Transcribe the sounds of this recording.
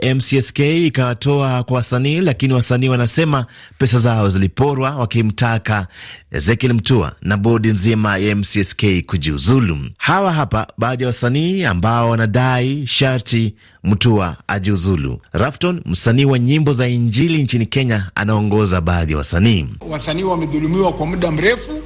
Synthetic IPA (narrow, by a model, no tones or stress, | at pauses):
ɛmsiɛskɛikawatɔakwawasaniːlakiniwasaniːwanasɛmapɛsazaɔzilipɔɾwawakim̩takaɛ̰zɛkɛlm̩tua̰naɓɔɗinzimaaɛmsiɛskɛikuʄiuzulṵhawaɦapa̰ɓaːðijawasaniːambaɔwanaɗaiʃaɾti | m̩tuaa̰ʄiuzulṵɾaftɔnm̩saniːwaɲimbɔzaiɲd͡ʒilint͡ʃinikɛɲaa̰naɔŋɡɔzaɓaðija̰wa̰saniːwasaniːwamɛðulumiwakwamuɗam̩ɾɛfu